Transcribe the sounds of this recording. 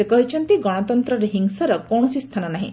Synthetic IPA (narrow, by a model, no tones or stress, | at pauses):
sekɔɦit͡ʃʰɔnt̪iɡɔɽ̃ɔt̪ɔnt̪ɾɔɾeɦiŋsaɾɔkɔɳ̃ɔsist̪ʰanɔnaɦḭ̃